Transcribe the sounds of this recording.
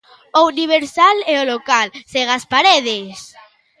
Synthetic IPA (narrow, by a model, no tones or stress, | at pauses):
ouniβ̞eɾsaleolokalseɣ̞aspaɾeð̞es